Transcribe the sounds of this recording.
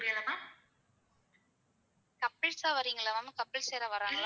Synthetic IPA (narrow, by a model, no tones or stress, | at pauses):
ɾɪɐlɐmaː | kɐpːɪɭsaːʋɐɾiːŋɡɐɭɐʋɐːmɯkɐpːɪɭseːɾɐʋɐɾaːŋɡɐɭː